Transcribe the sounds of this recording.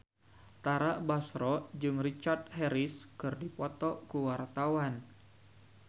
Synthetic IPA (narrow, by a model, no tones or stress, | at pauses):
t̪aɾaʔbasɾɔd͡ʒɨŋrit͡ʃart̪̚hɛɾɪskɨrdipɔt̪ɔkuwart̪awan